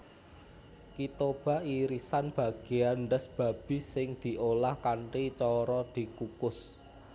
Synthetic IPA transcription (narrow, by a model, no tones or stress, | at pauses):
kit̪ob̥a̤iɾisanb̥ä̤ɡ̥e̤anɖəsb̥ä̤b̥i̤sɪŋd̪̥i̤ʔolahkaɳʈit͡ʃɔɾɔd̪̥i̤kukʊs